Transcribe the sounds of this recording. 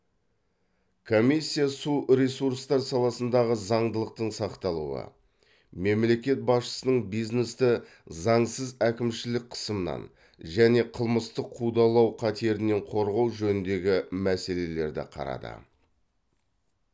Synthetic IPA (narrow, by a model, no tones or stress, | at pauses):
kʰo̞misʲːijasuɾʲesuɾst̪ɑɾsɑlˠɑsənd̪ɑʁəzɑɴd̪əlˠəq̚t̪əɴsɑqt̪ɑlˠṵə̰ | me̞mle̞kʲe̞t̪̚bɑsʃə̥sənəɴbijzne̞st̪ɪ | zɑɴsəzækʲɪmʃɪlɪk̚ʲqʰə̥səmənɑ̰n | ʒæne̞qʰəlˠməst̪əqʰːud̪ɑlˠɑwqʰɑt̪e̞ɾɪne̞ɴqʰo̞ɾʁɑwʒɵnɪnd̪e̞ɡʲɪmæse̞le̞le̞ɾd̪ɪ̰qʰɑ̰ɾɑ̰d̪ə̰